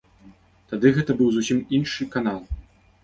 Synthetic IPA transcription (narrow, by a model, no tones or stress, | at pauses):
t̪ad̪ɨɣɛt̪ɐbɨwzusʲiminʂɨkanalˠ